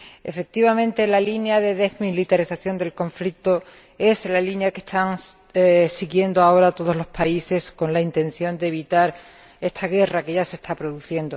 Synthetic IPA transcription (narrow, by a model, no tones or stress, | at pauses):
e̞̰fe̞k̚t̪iβamẽ̞nt̪e̞lalinjaðe̞ðe̞zmilit̪aɾiθaθjo̞nd̪e̞lko̞ɱflik̚t̪o | e̞slalinjake̞st̪aŋ | siɣje̞nd̪oao̞ɾat̪o̞ð̞o̞zlo̞spʰaise̞sko̞nlaint̪e̞n̟θjo̞nd̪e̞β̞it̪aɾ | e̞st̪aɣe̞rake̞ʝase̞st̪ʰapɾo̞ðuθje̞nd̪o̞